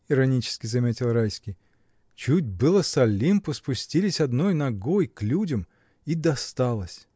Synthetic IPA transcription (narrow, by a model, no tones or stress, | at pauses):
iɾɐnʲit͡ʃɪ̥skʲɪzɐmʲetʲɪlˠɾajsʲkʲij | t͡ɕut̚ʲbɨlˠəsɐlʲːimpʊspʊsʲtʲilʲɪsʲɐd̪nojnɐɡojklʲudʲəm | id̪ɐst̪alˠəsʲ